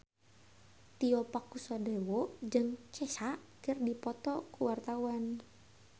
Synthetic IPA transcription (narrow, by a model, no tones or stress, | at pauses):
t̪iɔpakusɔdɛwɔd͡ʒɨŋt͡ʃɛsaʔkɨrdipɔt̪ɔkuwart̪auan